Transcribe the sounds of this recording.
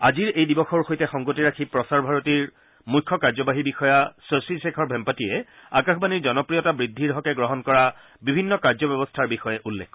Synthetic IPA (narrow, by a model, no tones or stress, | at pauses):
aziɹejdibɔxɔɹxojtɛxɔŋɡotiɹakʰipɹɔsaɹbʱaɹotiɹ | mujkʰːɔkaɹzɔbaɦibixɔjasosisɛkʰɔɹbʱɛmpatiɛ | akaxʰbaniɹzɔnɔpɹijɔtabɹidʱːiɹɦɔkɛɡɹɔɦɔnkɔɹa | bibʱinːɔkaɹzɔbɛbɔstʰaɹbixɔjɛʔulːḛk